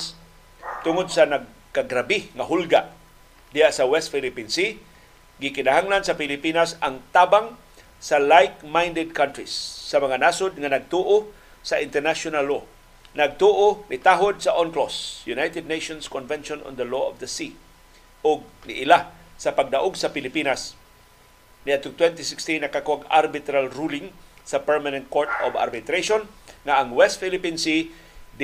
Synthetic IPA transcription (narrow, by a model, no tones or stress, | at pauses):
t̪ʊŋod̪̚sanaɡ | kaɡɾabɪŋaɦʊlɡaʔ | d̪ɪhaʔsawɛst̪filɪpinsi | ɡɪkɪnaɦaŋlansapɪlɪpinasaŋt̪abaŋ | salajk̚majnd̪ɛd̪̚kʰant̪ɾisːamaŋanasod̪̚ŋanaɡ̚t̪uʔo | saʔɪnt̪ɛɾnaʃʊnalːo | naɡ̚t̪uʔonɪt̪aɦod̪̚saʔonklosjunajt̪ɛd̪̚nejʃonskɔnvɛnʃono̰nd̪ɐloʔɔ̰vd̪ɐsi | ʔʊɡ̚niʔɪlasɐpaɡ̚d̪aʔʊɡsɐpɪlɪpinas | niat̪ʊŋ̚t̪wɛnt̪ɪsɪkst̪inːɐkakʊaɡa̰ɾbɪt̪ɾalɾulɪŋsɐpɛɹmanɛ̃nt̪̚koɹt̪o̰ba̰ɾbɪt̪ɾeʃonŋaʔaŋwɛst̪filɪpinsi | d̪